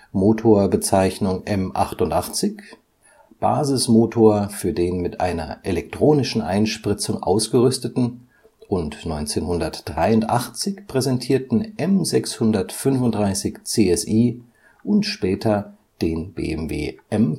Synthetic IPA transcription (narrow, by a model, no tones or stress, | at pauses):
moːtʰoːɐbət͡saɪçnʊŋʔɛmʔaχtʊntʔaχt͡sɪç | b̥a̰ːzɪsmoːtʰoːɐfyːɐdeːnmɪtʔa̰ɪnɐ̰ʔelɛk̚tʁ̥oːnɪʃn̩ʔa̰ɪnʃpʁ̥ɪt͡sʊŋʔa̰ʊsɡ̥əʁʏstətn̩ | ʔʊntnɔʏnt͡seːnhʊndɐtd̥ʁaɪʊntʔaχt͡sɪçpʁ̥ɛzɛntʰiːɐtn̩ʔɛmzɛkshʊndɐtfʏnfʊntd̥ʁaɪsɪçt͡seːɛsʔiː | ʔʊntʃpɛːtʰɐ | d̥eːnbḛːɛ̰mvḛːʔɛm